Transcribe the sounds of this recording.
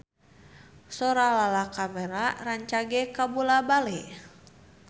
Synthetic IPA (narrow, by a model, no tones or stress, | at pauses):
soɾalalakamɛɾaraɲt͡ʃaɡɛkabulabalɛ